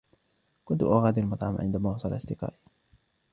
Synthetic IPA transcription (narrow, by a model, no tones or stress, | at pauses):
kʊnt̪ʊʔaɣaːd̪ɪalmɑt̪ˤʕɑmʕɪ̰nd̪amaːwɑsˤɑlʔɑsd̪ɪqɑ̰ːʔ